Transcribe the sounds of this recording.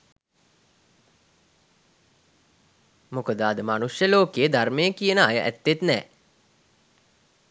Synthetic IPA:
mokəd̪aːd̪əmanusjəloːkejəd̪armejəkijənəa̰jəʔæ̰t̪ːet̪nɛ̰ː

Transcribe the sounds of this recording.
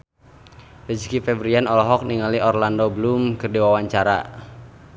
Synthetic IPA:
rəd͡ʒkifɛbɾianɔlɔɦɔk̚niŋaliɔrlandɔbəlumkɨrdiwawaɲt͡ʃaɾa̰

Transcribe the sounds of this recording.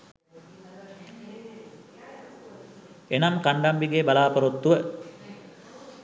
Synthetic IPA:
enamkaɳɖambiɡebalaːpɐɾot̪ːuʋə

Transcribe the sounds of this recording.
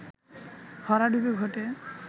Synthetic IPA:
hʰɔɾaɖubeɡʱɔʈe

